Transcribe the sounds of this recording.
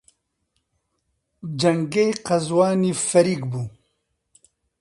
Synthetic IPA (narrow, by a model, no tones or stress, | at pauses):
d͡ʒɐŋɡejqɐzwɑːnifɐɾiːkbu